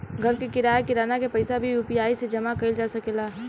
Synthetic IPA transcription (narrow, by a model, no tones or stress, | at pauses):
ɡʱəɾkekɪɾaːekɪɾaːnakepɐɪsabʱijuːpijaːised͡ʒɐmakɐɪld͡ʒaːsɐkelaː